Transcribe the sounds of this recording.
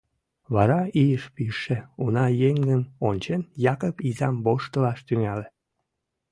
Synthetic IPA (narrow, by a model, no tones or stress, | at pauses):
βɑɾɑijəʃpiʃeunɑjeŋɡənonʲt͡ɕenjɑkəpizɑmboʃt̪əlɑʃt̪yŋæle